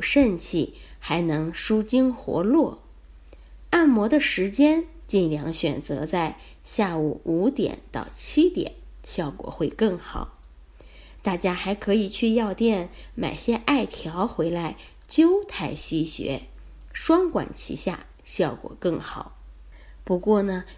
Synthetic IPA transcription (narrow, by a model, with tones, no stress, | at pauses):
ʂə˥˧nt͡ɕʰi˥˩ | xa˧˥ɪnɤ˧˥ŋʂu˥t͡ɕi˥ŋxwɔ̰˧˥lwɔ˥˩ | a˥˩nmwɔ˧˥d̪ə˧ʂɻ̩˧˥t͡ɕjɛ˥n | t͡ɕi˥˩nljɑ˧˥ŋɕɥɛ˨˩nt͡sɤ̰˧˥t͡sa˥˧ɪ | ɕja˥˩u˨˩u˧˥t̪jɛ̰˨˩˦nt̪ɑ˥˩ʊt͡ɕʰi˥t̪jɛ̰˨˩˦n | ɕjɑ˥˩ʊkwɔ̰˨˩xwe˥˧ɪkɤ˥˩ŋxɑ˨˩˦ʊ | t̪a˥˩t͡ɕja˥xa˧˥ɪkʰɤ˧˥i˨˩t͡ɕʰy˥˧jɑ˥˧ʊt̪jɛ˥˩nma̰˨˩ɪɕjɛ˥ʔa˥˩ɪt̪ʰjɑ˧˥ʊxwe˧˥ɪla˧˥ɪ | t͡ɕjo˥ʊt̪ʰa˥˩ɪɕi˥ɕɥɛ̰˧˥ | ʂwɑ˥ŋkwa̰˨˩nt͡ɕʰḭ˧˥ɕja̰˥˩ | ɕjɑ˥˩ʊkwɔ̰˨˩kɤ˥˩ŋxɑ˨˩˦ʊ | pu˧˥kwɔ˥˩nə˩